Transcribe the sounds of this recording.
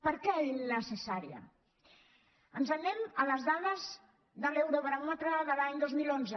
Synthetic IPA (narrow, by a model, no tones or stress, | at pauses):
pəɾkɛinəsesaɾjɐ̰ | ənzanemələzðaðəz | ðəlewɾoβəɾamat̪ɾaðəlaɲd̪ozmilonzə